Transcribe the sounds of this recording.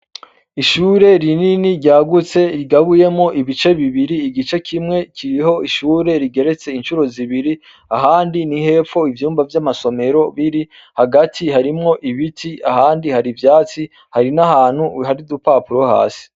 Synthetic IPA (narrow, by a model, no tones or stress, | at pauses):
iʃuːɾe̞ɾininiɾɟaːɡut͡se̞ɾiɡaβuje̞mŋo̞ʔiβit͡ʃe̞βiβiɾiːɡit͡ʃe̞kʰimŋe̞kʰiɾiho̞iʃuːɾe̞ɾiɡe̞ɾe̞t͡se̞inʃuɾo̞ziβiɾi | aɦaːndinihe̞ːfo̞ivjuːmvavjamaso̞me̞ɾo̞βiɾi | haɡatʰihaɾimŋo̞ʔiβitʰia̰haːndihaɾivjaːt͡si | haɾinaɦaːn̥huhaɾidupaːpuɾo̞ha̰ːsi̥